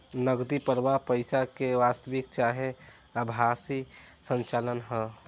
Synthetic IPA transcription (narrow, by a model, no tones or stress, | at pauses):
nəɡd̪ipəɾʋapəɪsakeʋaːst̪əʋɪkt͡ʃaːɦe | əbʱasisə̃nt͡ʃaːlənɦɛ̃